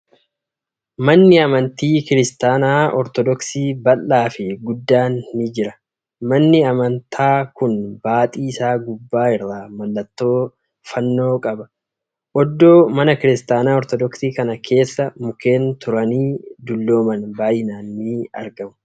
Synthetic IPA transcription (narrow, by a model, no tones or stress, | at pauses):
mɐnːɪɐmɐnt̪iːkɪɾɪst̪aːnaːɔɾt̪ɔd̪ɔksiːbɐlːaːfɪɡʊd̪ːaːnːɪd͡ʒɪɾɐ | mɐnːɪɐmɐnt̪ʰaːkʊnbaːt̪ʼiːɪsaːɡʊbːaːɪrːaːmɐlːɐt̪ːo̞ː | fɐnːo̞ːkʼɐbɐ | ʔɔd̪ːo̞ːmɐnɐkɪɾɪst̪aːnaːɔɾt̪ɔd̪ɔksiːkɐnɐkʰe̞ːsːɐmʊke̞ːnt̪ʊɾɐniːd̪ʊlːo̞ːmɐnbaːʔɪnaːnːɪɐ̰ɾɡɐmʊ̥